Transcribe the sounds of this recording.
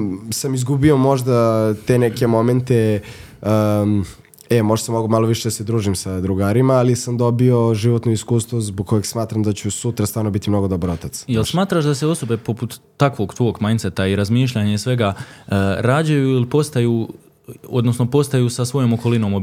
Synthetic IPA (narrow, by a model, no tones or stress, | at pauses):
samizɡubio̞mo̞ʒd̪at̪enekemo̞ment̪e | ɛmo̞ʒd̪asamoɡumalˠoʋiʃed̪ased̪ɾuːʒimsad̪ɾuɡaːɾimaːlisamd̪o̞bio̞ʒiʋot̪noiskuːst̪ʋozboɡ̚ko̞jeɡsmaːt̪ɾamd̪at͡ɕusut̪ɾast̪vaːɾnobit̪imno̞ɡo̞d̪obaɾot̪at̪sjelˠsmaːt̪ɾaʃd̪aseo̞so̞be̞po̞put̪ːakʋo̞ɡt̪ʋo̞ːɡmajnt̪set̪aiɾazmiːʃ̬ʎaɲe̞sʋe̞ɡa | ɾaːd͡ʑajuilipo̞st̪ajuː | od̪nosnopo̞st̪ajuːsasʋo̞joːmoko̞lino̞ːmo